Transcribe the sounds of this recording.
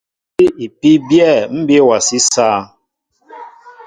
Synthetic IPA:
i˦i˨pi˦bjɛ˦˨m̩˦bje˦˨wa˨si˦sa˦˨

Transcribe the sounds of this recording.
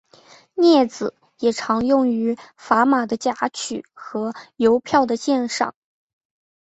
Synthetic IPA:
njɛ˥˩d͡zɹ̩˨˩ | jɛ˨˩ʈ͡ʂʰɑ˧˥ŋjʊ˥˩ŋy˧˥fa˧˥ma˨˩d̪ə˦t͡ɕja˧˥t͡ɕʰy̰˨˩˦xɤ˧˥jo˧˥ʊpʰjɑ˥˩ʊd̪ə˩ɕjɛ˥˧nʂɑ̰˥˨˩ŋ

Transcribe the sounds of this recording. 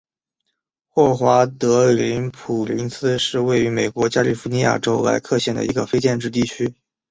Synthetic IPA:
xwɔ˥˩xwa˧˥t̪ɤ˧˥li˧˥npʰu˨˩li˧˥nsɹ̩˥ʂɻ̩˥˧we˥˩ɪy˧˥me˨˩ɪkwɔ˧˥t͡ɕja˥li˥˩fu˧˥ni˧˥ja̰˥˩ʈ͡ʂo˥ʊla̰˧˥ɪkʰɤ˥˧ɕjɛ˥˩nd̪ə̰˩ʔi˧˥ɡə˧fe˥ɪt͡ɕjɛ˥˧nʈ͡ʂɻ̩˥˧t̪̬i˥˩t͡ɕʰy˥

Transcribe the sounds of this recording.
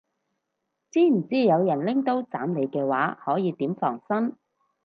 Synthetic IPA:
t͡siː˥m̩˨˩t͡siː˥jɐ˨˧wjɐ˨˩nlɪ˥ŋt̪o˥wt͡saː˨˥mle˨˧jkɛː˧waː˨˥hɔː˨˥jiː˨˧t̪iː˨˥mfɔː˨˩ŋsɐ˥n

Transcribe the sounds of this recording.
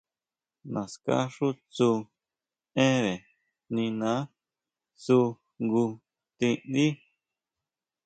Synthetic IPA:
nã˨ska̰˦ʂu˦t͡su˧ | ẽ˦βe˨ | nĩ˧nã˨˦ | t͡su˧ | ŋɡu˧ | t̪ĩ˧nd̪i˦

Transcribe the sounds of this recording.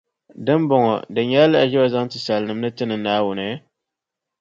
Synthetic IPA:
dɨ˦m˦bɔ˨ŋɔ̰˨dɨ˨ɲɛ˦la˦a˨ʒɛ˦bɔ˦za˦ŋtɨ˨sa˨lnɨ˨m˦nɨ˦tɨ˦nɨ˨naː˦wʊ˨nɨ˨˦

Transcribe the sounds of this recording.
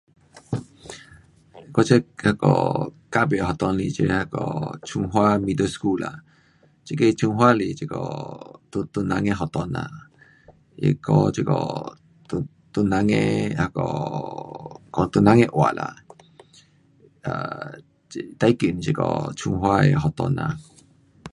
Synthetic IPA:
kɔ˦t͡ʃə˦ha˧kɔ̰˨ka˦be˨ɦɔ˨t̪ɔ˧nli˧t͡ʃe˧ha˧kɔ̰˧˨t͡ʃʰu˧ŋɦwa˦mi˧d̪ə˦sku˦˨la̰˨ | t͡ʃi˦ke˧t͡ʃʰu˧ŋɦwa˦li˨t͡ʃi˧kɔ˨t̪u˧t̪u˧nã˧ŋe˧ɦɔ˨t̪ɔ˧na̰˨ | ḛ˧˨kɔ˦t͡ʃe˦kɔ̰˨ | t̪u˧ | t̪u˧nã˧˦ŋẽ˦ha˧kɔ˨ | kɔ˨t̪u˧nã˧˦ŋẽ˦ʔwa˨la̰˨ | a | t̪a˧˦i˦ki˨n˨t͡ʃe˧kɔ̰˧˨t͡ʃʰũ˧ŋɦwa˦ḛ˨ɦɔ˨t̪ɔ˧nã̰˨

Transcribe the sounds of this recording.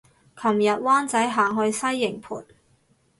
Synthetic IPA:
kʰɐ˨˩mjɐ˨t̚waː˥nt͡sɐ˨˥jɦaː˨ŋɦɵ˧ɥsɐ˥jːɪ˨˩ŋpʰṵː˨˩t̚

